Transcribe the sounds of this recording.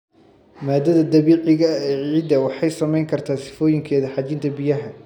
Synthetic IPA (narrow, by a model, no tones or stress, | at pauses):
maːd̪ɐðɐd̪ɐβiːʕɪɣɐɛʕiːd̪ɐwɑħɑjsɐmɛjŋkʰɐrt̪ʰaːsɪ̥fɔːjɪŋkʰɛːðɐħɑt͡ʃɪnt̪ʰɐbɪjɐɦɐ